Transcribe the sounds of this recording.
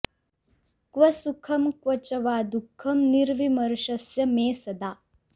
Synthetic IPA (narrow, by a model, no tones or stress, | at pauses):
kʋɐsukʰɐmkʋɐt͡ʃɐʋaːd̪ukʰːɐmniɾʋimɐɾʃɐsjɐmeːsɐd̪aː